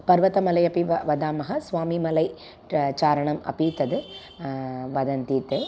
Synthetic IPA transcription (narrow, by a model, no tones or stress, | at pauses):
pɐɾʋɐt̪ɐmɐlɐjɐpiʋɐʋɐd̪aːmɐɦɐsʋaːmimɐlɐɪ | t͡ʃaːɾɐɳɐmɐ̰pit̪ɐd̪ɯ | ʋɐd̪ɐnt̪iːt̪e